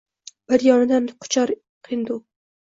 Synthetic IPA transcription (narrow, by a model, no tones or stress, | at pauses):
b̥ɪɾjɒnɪd̪anqʰʊ̥t͡ʃʰaɾ | qʰind̪ʊ